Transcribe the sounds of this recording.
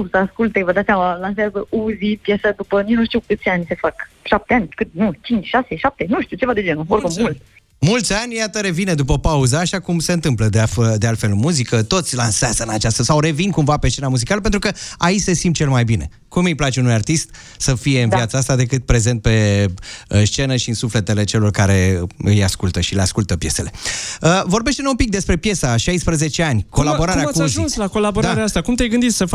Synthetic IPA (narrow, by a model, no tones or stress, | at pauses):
usəaskult̪evəd̪at̪sʲjamalanseazəuzipjesad̪upəninuʃt̪iuwkɨt̪sʲanʲse̞fak | ʃap̚t̪eanʲkɨt̪nut͡ʃint͡ʃʲʃaseʃap̚t̪enuʃt̪iwt͡ʃe̞vad̪ed͡ʒenuoɾkummult̪ | mult̪sʲanʲjat̪əɾe̞vined̪up̬əpauzaːʃakumse̞ɨnt̪ɨmpləd̪eafəd̪ealt̪fe̞lɨmuzikət̪o̞t̪sʲlanseazəɨnat͡ʃast̪əsawɾe̞vinkumvape̞s̬t͡ʃe̞namuzikaləp̬e̞nt̪ɾukəait͡ʃse̞simt̪t͡ʃelmajbine̞̰ | kumɨjplat͡ʃe̞unujart̪ist̪ | səfije̞ɨnvjiat̪saast̪ad̪e̞kɨt̪̚pɾe̞ze̞nt̪̚pe̞ | st͡ʃe̞nəʃiɨnsufle̞t̪e̞le̞t͡ʃe̞lo̞rkaɾe̞ɨjaskult̪əʃileaskult̪əpje̞se̞le̞əvo̞ɾrbe̞ʃt̪enoumpik̚d̪e̞spɾe̞pje̞saʃajspɾəze̞t͡ʃe̞anʲko̞labo̞ɾaɾeaakuuzʒiunslako̞laboɾd̪aɾeaast̪akumt̪ejɡɨnd̪it̪sə